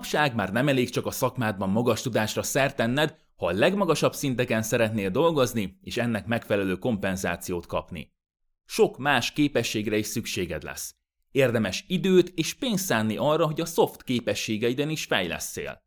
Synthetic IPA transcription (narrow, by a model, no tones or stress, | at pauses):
pʃaːɡmaːrnɛmɛleːkt͡ʃɒkɒsɒkmaːd̪̚bɒmmɒɡɒʃt̪ud̪aːʃrɒsɛrt̪ɛnːɛd̪ | hɒlɛɡmɒɡɒʃɒbsint̪ɛkɛnsɛɾɛt̪neːld̪o̞lɡo̞znieːʃɛnːɛkmɛkfɛlɛløːko̞mpɛnza̰ːt̪sijoːt̪kɒ̰pnḭ | ʃo̞kmaːʃkeːpɛʃːeːɡrɛiʃsykʃeːɡɛ̰d̪lɛ̰s | eːrd̪ɛmɛʃid̪øːt̪eːʃpeːnsaːnːiʔɒrːɒɦo̞ɟɒso̞ft̪keːpɛʃːeːɡɛid̪ɛniʃfɛ̰jlɛ̰sːḛːl